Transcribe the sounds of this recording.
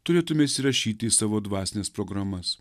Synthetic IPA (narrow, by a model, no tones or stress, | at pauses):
t̪ʊɾʲeːt̪ʊmʲɛsʲɪɾɐʃʲiːt̪ʲɪiːsɑːʋoːd̪ʋɑːsʲnʲeːspɾɔɡɾɐmɐs